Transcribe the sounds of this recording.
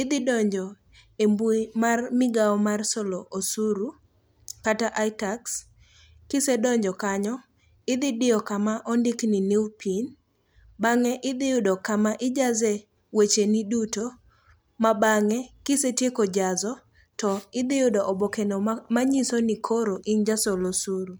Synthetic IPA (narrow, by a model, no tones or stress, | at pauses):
ɪd̪ɪdɔɲd͡ʒɔ | embuimarmɪɡaɔmarsɔlɔʔosuɾu | kataʔajtaks | kɪsedɔɲd͡ʒɔkaɲɔ | ɪd̪ɪdɪɔkamaʔɔndɪkniniupʰin | baŋɛʔɪd̪ɪʊdɔkamaʔɪd͡ʒazɛ | wet͡ʃeniduto | mabaŋɛkɪsetjekod͡ʒazɔ | tɔɪd̪ɪʊdɔʔɔbokenomaɲisonikʰoɾoʔɪnd͡ʒasɔlosuɾu